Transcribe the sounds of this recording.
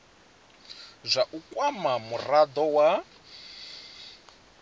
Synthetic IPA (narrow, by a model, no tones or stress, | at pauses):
zʷaʔukʼwamamurad̪ɔwa